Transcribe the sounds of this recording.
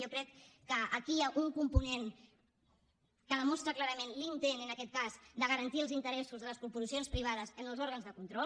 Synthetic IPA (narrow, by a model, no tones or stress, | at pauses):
okɾɛkːəːkiaʔuŋkumpunen | kəðəmɔst̪ɾəklaɾəmenlint̪enənəkɛt̪̚kazd̪əɣəɾənt̪iəlˠzint̪əɾɛsuzðələspɾupuzisionspɾiβ̞aðəzənəlˠzɔɾɣənzðəkunt̪ɾɔ